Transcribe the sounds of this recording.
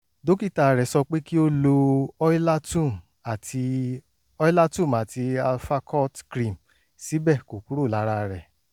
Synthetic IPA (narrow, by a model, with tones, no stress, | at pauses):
do˦ki˦˨ta˧˨ɾɛ˨sɔ˧k͡pe˦ki˦o˦lo˧ɔ˦i˦la˦tũ˦˨m | a˨ti˧ | ɔ˦i˦la˦tũ˦˨m˨a˨ti˧a˧lfa˧kʰɔ˦˨tkɾĩ˨m | si˨˦bɛ˦˨ko˨ku˦ɾo˦˨la˨˦ɾa˧ɾɛ˨